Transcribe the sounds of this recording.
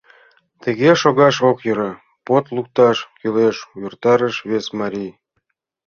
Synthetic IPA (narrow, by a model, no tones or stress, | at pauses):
t̪ĕɣeʃoɣɑʃokjɤ̆ɾɑ | pot̪lˠuk̚t̪ɑʃkyleʃujurt̪ɑɾə̆ʃβesmɑɾʲij